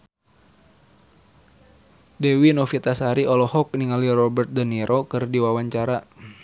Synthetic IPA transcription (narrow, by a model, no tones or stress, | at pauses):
dɛwinɔfit̪asaɾiɔlɔhɔk̚niŋalirɔbərt̪̚dəniɾʔɔkɨrdiwawaɲt͡ʃaɾa